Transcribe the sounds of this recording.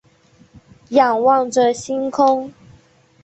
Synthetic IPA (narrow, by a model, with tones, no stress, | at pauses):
jɑ˨˩ŋwɑ˥˨ŋʈ͡ʂə˨ɕi˦nkʰʊ˥ŋ